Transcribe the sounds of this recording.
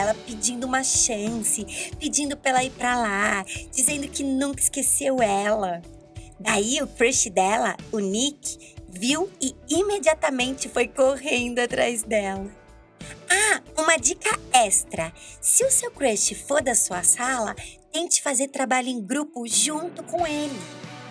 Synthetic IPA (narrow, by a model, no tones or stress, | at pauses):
ɛlɐpɪd͡ʒĩnd̪ʊũmɐʃɐ̃sɪpɪd͡ʒĩnd̪ʊpɾɛlɐipɾɐlad͡ʒizẽnd̪ʊkɪnũkɐɪ̥skesewɛlɐ | d̪aiʊfɾeʃɪd̪ɛlɐʊnikɪ̥ | viwɪimed͡ʒiat̪ɐmẽnt͡ʃɪfojkohẽnd̪ʊat̪ɾa̰jzd̪ɛlɐ | aũmɐd͡ʒikɐɛst̪ɾɐsɪʊsewkɾɛʃt͡ʃɪfoɾd̪ɐsuɐsalɐt̪ẽj̃t͡ʃɪ̥fazeɾt̪ɾabaʎʊẽɡɾupʊʒũnt̪ʊkõw̃elɪ